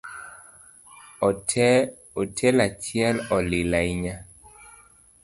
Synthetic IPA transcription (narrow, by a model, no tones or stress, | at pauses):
otʰɛlat͡ʃjɛlɔlɪlaiɲa